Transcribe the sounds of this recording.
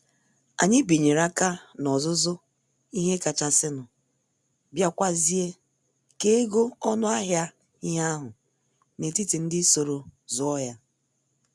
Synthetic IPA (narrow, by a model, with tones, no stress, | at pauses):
a̰˨ɲɪ˦bi˨ɲe˨ɾa˦ka˦nɔ˨zʊ˦zʊ˦ | i˦ɦe˦ka˨t͡ʃa˨sɪ˦nʊ˨ | bja˦˨kʷa˦zi˦e˦ | ke˦ɡo˦ɔ˦nʊ˦a˦ɦja˦ | i˦ɦa˦ɦʊ˨ | ne˨ti˦ti˨n̩˦dɪ˦so˨ɾo˨zʊ˦ɔ˦ja˦